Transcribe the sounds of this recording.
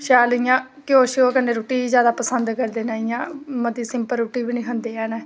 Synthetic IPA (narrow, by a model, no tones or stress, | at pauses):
ʃaːlijãː | kɪoːʃɪoːkənːeːɾoːʈiːiːzjaːd̪aːpəsənd̪kəɾd̪eːnaːijãːməd̪iːsɪmpəɾːoːʈiːbiːnĩːkʰənd̪eːɛːnɛ̃ː